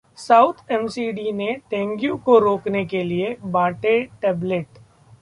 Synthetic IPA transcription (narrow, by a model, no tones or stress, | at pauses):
saːʊt̪ʰɛmsiːɖineʈɛ̃ːŋɡjũkoɾoːknekeliebãːʈeʈɛːbleʈ